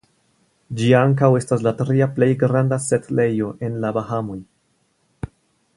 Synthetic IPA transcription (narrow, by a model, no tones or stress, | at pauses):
d͡ʒiaŋkawe̞staslatɾiaple̞jɡɾandasetle̞jo̞ʔe̞nlabahamoj